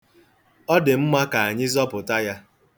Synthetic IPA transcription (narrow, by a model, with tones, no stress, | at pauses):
ɔ˦dɪ˨m̩˦ma˦ka˨a˨ɲɪ˦zɔ˦pʊ˨ta˦ja˦